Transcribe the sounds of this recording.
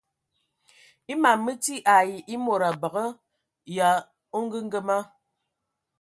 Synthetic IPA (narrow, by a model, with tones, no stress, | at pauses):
i˦ma˨mːə˦ti˦ʔa˨ji˨ʔi˦mo˨ɾa˨bə˨ɣə˦ | ja˨ | o˦ŋ˦ɡə˦ŋ̩˦ɡə˦ma˦